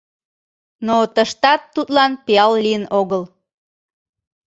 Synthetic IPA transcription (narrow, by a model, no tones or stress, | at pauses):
not̪əʃt̪ɑt̪ːut̪lɑnpeɑlːijənoɣəl